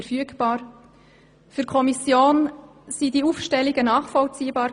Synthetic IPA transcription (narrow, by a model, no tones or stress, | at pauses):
ɛɾfyəɡb̥ɑːɾ | fyɾkʰɔmisjoːn | sidiuːfʃtɛliɡənɑːχfɔlt͡siːbɑːɾ